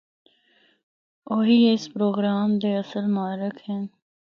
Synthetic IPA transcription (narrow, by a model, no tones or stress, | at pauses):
oːɦiːɪspɾoːɡɾaːmd̪eɐsəlmãːɾɪkʰɦɪn